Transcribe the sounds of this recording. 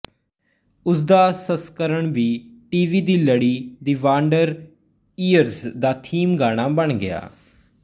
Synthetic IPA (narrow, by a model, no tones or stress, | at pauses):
ʊsd̪aːsəskəɾəɳʋiːʈiːʋiːd̪iːləɽiːd̪iːʋaːɳɖəɾ | iːəɾzd̪aːt̪ʰiːmɡaːɽ̃aːbəɳɡɪja̰ː